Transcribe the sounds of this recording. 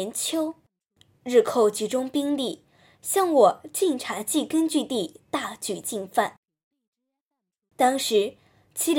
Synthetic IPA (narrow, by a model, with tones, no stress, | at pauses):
ɛ˧˥nt͡ɕʰjo˥ʊ | ɻɻ̩˥˧kʰo˥˩ʊt͡ɕi˧˥ʈ͡ʂʊ˥ŋpi˥ŋli˥˩ | ɕjɑ˥˩ŋwɔ˨˩t͡ɕi˥˩ŋʈ͡ʂʰa˧˥t͡ɕi˥˩kə˥nt͡ɕy˥˧t̪i˥˧t̪a˥˩t͡ɕy˨˩t͡ɕi˥˧nfa˥˩n | t̪ɑ˥ŋʂɻ̩˧˥ | t͡ɕʰi˥l